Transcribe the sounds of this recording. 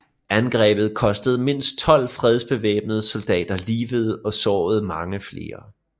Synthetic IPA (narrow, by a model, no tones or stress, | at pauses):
ænɡ̥ʁɛ̰ːb̥ð̞̩ˠkʰɒ̽sd̥əð̞̩ˠme̝n̰sd̥̚t͡sʰɒ̽l̰fʁɛð̞ˠsb̥e̝ʋḛːb̥̚nəð̩ˠsold̥ɛ̰ːd̥ɐliːʋəð̞̩ˠɒ̽sɒ̰ːð̞̩ˠmɑ̈ŋəfle̝ːɐ